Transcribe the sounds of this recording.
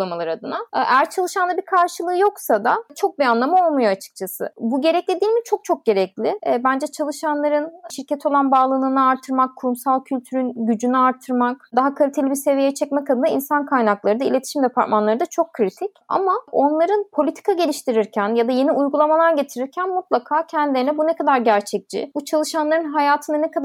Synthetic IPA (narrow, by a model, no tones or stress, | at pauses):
lˠamalˠaɾɯad̪ɯnaæɾt͡ʃʰalˠɯʃanˠabiɾkʰaɾʃɯlˠɯːjo̞ksad̪at͡ʃʰo̞k̚bianlˠamɯo̞lˠmujoat͡ʃʰɯ̥k̚t͡ʃʰasɯ̰buɟe̞ɾɛclʲed̪iːlʲmit͡ʃʰo̞k̚t͡ʃʰo̞k̚ɟ̥e̞ɾɛcʲlʲɪbænd͡ʒɛt͡ʃʰalˠɯʃanlˠaɾɯnʃiɾcʰɛt̪ʰo̞lˠanbaːlˠɯnɯnɯaɾt̪ʰːɯɾmakʰːuɾumsalˠcʰylʲt̪ʰyɾynɟyd͡ʒynyaɾt̪ʰːɯɾmakd̪aɦakʰalʲit̪ʰe̞lʲibiɾse̞vijɛt͡ʃʰɛcmɛkʰad̪ɯnainsankʰajnaklˠaɾɯd̪aḭlʲe̞t̪ʰi̥ʃimd̪ɛpʰaɾt̪manlˠaɾɯd̪at͡ʃʰo̞kʰːɾit̪ʰica̰mao̞nlˠaɾɯnpʰo̞lʲit̪ʰi̥kʰaɟe̞lʲiʃt̪ʰiɾiɾcʰænjad̪aje̞niʔujɡulˠamalˠaɾɟe̞t̪ʰiɾiɾcʰænmut̪lˠakʰaːcʰɛnd̪ilʲeɾinɛbunɛkʰad̪aɾɟæɾt͡ʃʰɛc̚t͡ʃɪ̰but͡ʃʰalˠɯʃanlˠaɾɯnɦajaːt̪ʰɯnanɛkʰad̪